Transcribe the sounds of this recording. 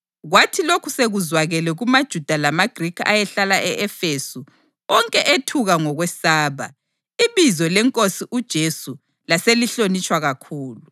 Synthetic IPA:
ɣwatʰilokʰuseɣuzwaɣɛlɛɣumad̥ʒ̥ʱud̥ʱalamaɡ̥ʱrikʰa̰jɛɬalaʔɛʔɛfesu | ɔŋkʼɛʔetʰuɣaŋɔɣwɛsaːβa | iβizɔlɛŋkʼosiʔud̥ʒ̥ʱesu | laseliɬonit͡ʃʼwaɣakʰuːlu

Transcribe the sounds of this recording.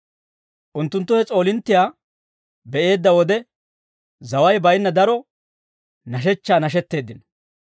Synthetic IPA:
ʔʊnt̪ːʊnt̪ːʊhɛt͡sʼo̞ːlɪnt̪ːɪjaː | bɛʔe̞ːd̪ːɐwɔd̪ɛ | zɐwɐjbɐjnːɐd̪ɐɾɔ | nɐʃ̬ɛt͡ʃːaːnɐʃ̬ɛt̪ːe̞ːd̪ːɪnɐ

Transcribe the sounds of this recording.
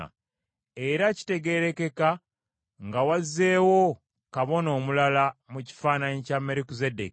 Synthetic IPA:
a̰ | eɾaci̥te̞ɡe̞ɾe̞ke̞ka | ŋɡawazːe̞ːwo̞ | kaβo̞no̞ːmulalamuci̥faːnaɲicame̞ɾikuzedek

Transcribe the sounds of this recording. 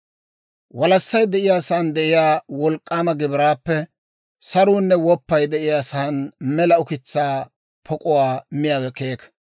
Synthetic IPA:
wɐlɐsːɐjd̪ɛʔɪjaːsaːnd̪ɛʔɪjaːwɔlkʼːaːmɐɡɪbɪɾaːpːɛ | sɐɾuːnːɛwɔpːɐjd̪ɛɪjaːsaːnmɛlɐʊkɪt͡sːaː | pʰɔkʼʊwaːmɪjaːwɛkeːk

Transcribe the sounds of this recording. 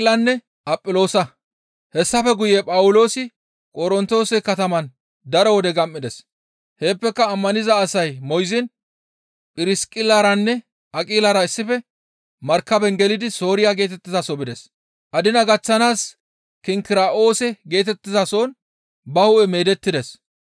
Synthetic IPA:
lɐnːɛ | ʔɐpʼːɪlo̞ːsɐ | hɛsːɐfɛɡʊjeːpʼɐwʊlo̞ːsɪ | kʼɔɾɔnt̪o̞ːsɛkɐt̪ɐmɐn | d̪ɐɾɔwɔd̪ɛɡɐmːɪd̪ɛs | he̞ːpːɛkːɐːmːɐnɪzɐːsɐjmɔjzɪn | pʼɪɾɪskʼɪlaɾɐnːɛ | ɐkʼiːlɐɾɐɪsːɪfɛ | mɐɾkːɐbɛŋɡɛlɪd̪ɪso̞ːɾɪjaɡe̞ːt̪ɛt̪ːɪzɐsɔbɪd̪ɛs | ʔɐd̪ɪnɐɡɐt͡sːɐnaːs | kɪŋkɪɾaːʔo̞ːsɛɡe̞ːt̪ɛt̪ːɪzɐso̞ːn | bɐhʊʔɛme̞ːd̪ɛt̪ːɪd̪ɛs

